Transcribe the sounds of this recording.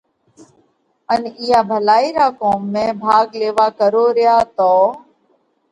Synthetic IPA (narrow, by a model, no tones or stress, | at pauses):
ənijaːbʱəlaːiːɾaːkoːmːẽːbʱaːɡleːʋaːkəɾoːɾɪjaːt̪oː